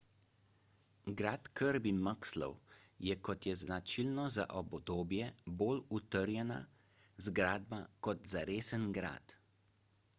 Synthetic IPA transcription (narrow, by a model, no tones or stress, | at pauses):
ɡɾaːt̪kəɾbimakslɔ̰wjɛkɔt̪jɛznat͡ʃilnɔza̰ʔɔbd̪oːbjɛboːlut̪əɾjɛna̰ | zɡɾaːd̪bakɔt̪zaɾeːsənɡɾa̰ːt̪